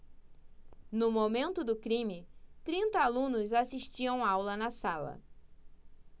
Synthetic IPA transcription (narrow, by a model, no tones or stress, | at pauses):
nʊmomẽnt̪ʊd̪ʊkɾĩmɪt̪ɾĩnt̪ɐalũnʊzasiʃt͡ʃiɐ̃w̃awlɐnɐsalɐ̰